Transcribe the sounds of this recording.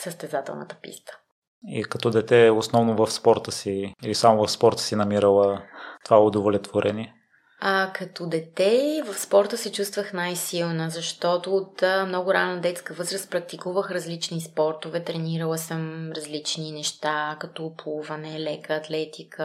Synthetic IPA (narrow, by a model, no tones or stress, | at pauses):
səst̪ɛzat̪ɛ̰lˠnə̰t̪ə̥pḭst̪ə̥ | ḭkɐt̪ɔd̪ɛt̪ɛʊsnɔvnovɐfspɔɾt̪əsiilisamʊvɐfspɔɾt̪ə̥sinɐmiɾəlˠət̪ovaod̪ovolɛt̪voɾɛ̰niɛ | akɐt̪od̪ɛt̪ɛvɐfspɔɾt̪əsɛt͡ʃust̪vəxnajsilˠnəzɐʃt̪ɔt̪oːt̪əmnɔɡʊɾanəd̪ɛt̪skəvɤzɾəst̪̚pɾɐk̚t̪ikuvəxɾɐzlit͡ʃnispɔɾt̪ovɛt̪ɾɛniɾəlˠəsəmɾɐzlit͡ʃninɛʃt̪akɐt̪ɔplˠuvɐnɛlɛkəːt̪lɛt̪ikə